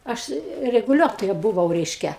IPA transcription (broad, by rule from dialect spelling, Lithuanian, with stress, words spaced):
ˈɐʃ rʲɛɡʊˈlʲuɔtoːjɛ bʊˈʋɐʊ ˈrʲɛɪʃʲkʲɛ